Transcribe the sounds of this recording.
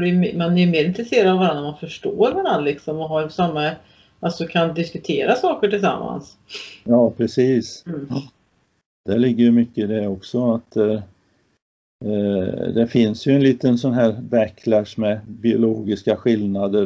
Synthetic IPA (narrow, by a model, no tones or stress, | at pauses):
dɛjmmanæjɵmeːɾɪnt̪ɾɛseːɾad̪avaɾanːaɾmanfœʂʈoːɾvaɾand̪lɪksɔmɔɦaɾsamːa | ʔasɔkʰand̪ɪskɵt̪ʰeːɾasɑːkəʈɪlsa̰mːa̰ns | jɑːpʰɾɛsiːs | d̪̥ɛɭɪɡːəjmʏkːəɪd̪ɛɔksɔat̪d̪ɛ | d̪ɛfɪnsjɵɛnliːt̪ənsɔnɦæːɾbækʰːlæʂmɛbɪʊloːɡɪskaɧɪlnad̪ə